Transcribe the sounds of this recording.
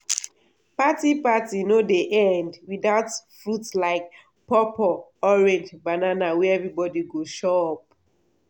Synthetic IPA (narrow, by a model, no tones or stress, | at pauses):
patipatinodeʔɛ̃ndwiðaʊtfɹutlaɪk̚ | pɔpɔɔɹɛ̃nd͡ʒbananawɛɛvɹibɔdiɡoʃoɔp̚